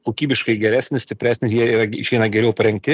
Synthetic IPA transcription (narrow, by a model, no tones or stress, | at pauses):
koːkʲiːbʲɪʃkɐɪɡʲɛɾʲæːsʲnʲɪsʲt̪ʲɪpʲæːsʲnʲɪsjiɛiːɾɐɡʲɪʃʋʲiɛnɐɡʲɛɾʲɛʊpɐɾʲɛŋʲk̚t̪ʲɪ